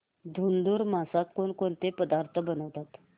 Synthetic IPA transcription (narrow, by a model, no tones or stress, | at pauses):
d̪ʱund̪uːɾmasat̪koɳkont̪epəd̪aɾt̪ʰəbənəʋt̪at̪